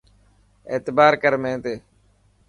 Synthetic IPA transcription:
ḛːt̪baːɾkəɾmẽːt̪eː

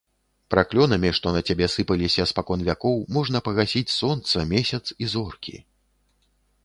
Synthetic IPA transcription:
pɾaklʲɔnɐmʲiʂt̪ɔnɐt͡sʲabʲɛsɨpɐlʲisʲɐspakɔnvʲakɔwmɔʐn̪ɐpɐɣasʲit͡sʲsɔnt̪sɐmʲɛsʲɐt̪sizɔrkʲḭ

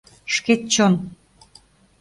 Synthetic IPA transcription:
ʃket̪̚t͡ɕon

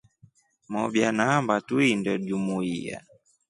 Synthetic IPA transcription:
mɔɓjanambatuindɔʄumuia̰

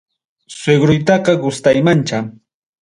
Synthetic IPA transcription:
seɡɾʊjt̪̬ɑqɑɡʊst̪ajmant͡ʃa

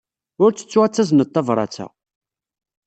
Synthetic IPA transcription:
ʊɾt͡sːə̥t͡sːuat͡sːæznət̪ˤːɑvɾˤɑ̰t͡sæ̰

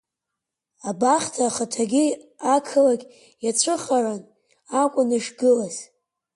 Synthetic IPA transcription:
abaχtʰaχatʰaɡʲiakʰɨlaɡʲʼ | jat͡ɕʷʰɨχaran | akʷʼʊnɨʂɡɨlaz̥

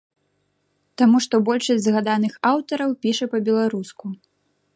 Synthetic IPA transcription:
t̪amuʂt̪ɔbɔlʲʂɐsʲtʲzɣad̪anɨxawt̪ɐɾɐwpʲiʂɐpɐbʲɛlˠaɾusku

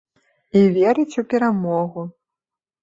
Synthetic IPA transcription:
ivʲɛɾɨt͡sʲupʲɛɾamɔɣu

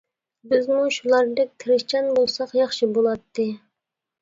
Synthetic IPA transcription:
bɪzmuʃulˠɑɾd̪ɛk̚ʲt̪ʰɾɪʃt͡ʃɑnbolˠsɑqjɑχʃibolˠɑt̪ːɨ

